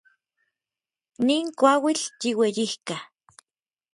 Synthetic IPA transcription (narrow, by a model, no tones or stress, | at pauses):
niːŋkʷawilt͡ʃiwejihka